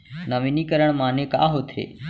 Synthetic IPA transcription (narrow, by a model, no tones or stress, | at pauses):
nəʋiniːkəɾəɳ̃maːnẽːka̰ːɦoːt̪ʰḛː